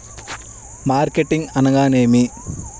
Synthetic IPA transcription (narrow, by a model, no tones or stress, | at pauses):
maːrkeʈːiŋɡɐnɐɡaːneːmi